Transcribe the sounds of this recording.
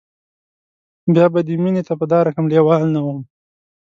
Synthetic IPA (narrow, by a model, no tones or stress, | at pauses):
bjɑbad̪eminet̪apəd̪ɑɾakamlewɑlnawəm